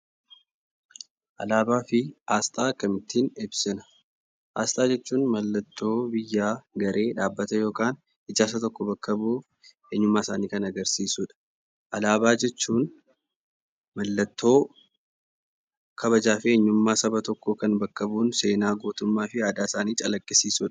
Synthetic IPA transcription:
ʔɐ̰laːbaːfɪaːst̪ʼaːɐkːɐmɪt̪ːiːnɪbsɪnɐ̥ | ʔa̰ːst̪ʼaːd͡ʒɛt͡ʃːuːnmɐlːɐt̪ːo̞ːbɪjːaːɡɐɾʔe̞ːᶑaːbːɐt̪ɛjo̞ːkaːn | ɪd͡ʒaːs̬ɐt̪ɔkːɔbɐkːɐbuː | eːɲːʊmːaːɪsaːniːkɐnɐɡɐɾsiːsuᶑɐ̥ | ʔɐlaːbaːd͡ʒɛt͡ʃːuːn | mɐlːɐt̪ːo̞ː | kʰɐβɐd͡ʒaːfɪeːɲːʊmːaːsɐbɐt̪ɔkːɔkɐnbɐkːɐbuːnse̞ːnaːɡoːt̪ʊmːaːfɪaːd̪aːɪsaːniːt͡ʃʼɐlɐkʼːɪsiːsʊᶑɐ̥

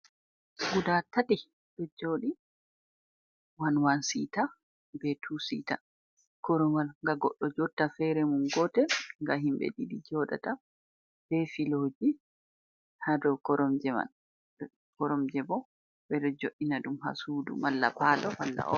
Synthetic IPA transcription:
ɡudatati | ɗɔd͡ʒoɗi | wanwansḭta | bɛtʰusḭta | kɔɾɔmalŋɡaɡɔ̰ɗːɔd͡ʒɔtːafɛɾɛmunɡɔtɛŋɡaɦimbɛ̰ɗidid͡ʒɔɗa̰ta | b̥ɛfiloːd͡ʒi | hadɔwkɔɾɔmd͡ʒɛma̰ | kɔɾɔmd͡ʒɛbɔ | bɛɗɔd͡ʒoʔːinaɗumɦa̰suːdṵmalːa̰palɔwalːa̰ʔɔ

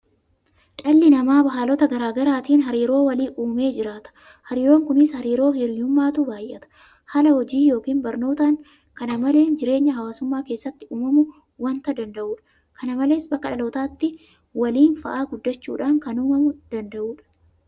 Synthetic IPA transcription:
ᶑɐlːɪnɐmaːbɐɦaːlɔt̪ɐɡɐɾaːɡɐɾaːt̪iːnɦɐɾiːɾo̞ːwɐliːʔuːme̞ːd͡ʒɪɾaːt̪ɐ̥ | hɐɾiːɾo̞ːŋkʊnɪshɐɾiːɾo̞ːhɪɾjʊmːaːt̪ubaːjʔɛt̪ɐ̥ | hɐlɐhɔd͡ʒiːjo̞ːkiːnbɐɾno̞ːt̪aŋ | kɐnɐmɐle̞ːnd͡ʒɪɾe̞ːɲːɐɦɐwaːsʊmːaːke̞ːsːɐt̪ːɪuːmɐmʊ | wɐnt̪ɐd̪ɐnd̪ɐʔuːᶑɐ̥ | kʰɐnɐmɐle̞ːsbɐkːɐᶑɐlo̞ːt̪aːt̪ːɪ | wɐliːnfɐ̰ʔaːɡʊd̪ːɐt͡ʃːṵːᶑaːŋkɐnʊːmɐmʊd̪̥ɐnd̪ɐʔuːᶑɐ̥

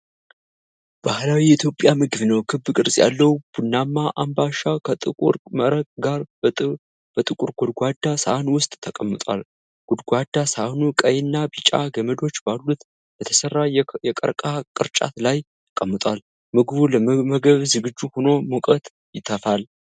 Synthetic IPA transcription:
b̥ahlawiɪt̪ʰjo̞pʼjamɨɡɨβnəwkʰɨbɨkʼɨɾsʼja̰lːəwb̥unːamːaʔambaʃakʰət̪ʼɨuɾɾəɡaɾ | b̥ət̪ʼɨkʼuɾɡud̪ɡʷad̪ːasaʔnwʊst̪ʼt̪ʰːəkʼəmːət̪ʼwa̰l | ɡ̥ud̪ɡʷad̪ːasaʔnukʼəjɪnːabit͡ʃʼa̰ɡəməd̪o̞t͡ʃːbalːut̪ | bət̪ʰəsərːajɛkʼə̰ɾkʼakʼɨɾt͡ʃʼa̰t̪lajt̪ʰə̥kʼəmːət̪ʼwal | mɨɡβuləməɡəβzɨɡɨd͡ʒːuhono̞mukʼət̪ʼ | jɪt̪ʰːəfal

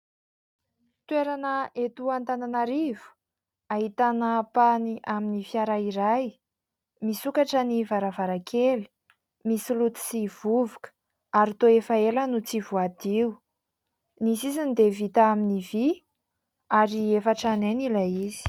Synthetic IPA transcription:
t̪weɾanəʔet̪uant̪ananaɾivu̥ | aɦit̪anəpaniʔaminifjaɾaiɾaj | misukaʈ͡ʂənivaɾavaɾakʰeli̥ | misilut̪i̥siv̥uvukə̥ | aɾit̪oefaelənut͡sivuad̪iu | nisizind̪evit̪aaminivi | aɾiefaʈ͡ʂanenilaizi̥

